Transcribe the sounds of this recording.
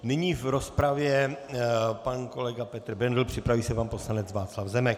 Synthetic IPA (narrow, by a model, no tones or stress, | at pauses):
nɪɲiːvɾo̞spɾavjɛ | panko̞lɛɡapɛt̪r̩bɛndl̩pr̝̥ɪpɾaviːsɛvampo̞slanɛt͡svaːt͡slavzɛmɛk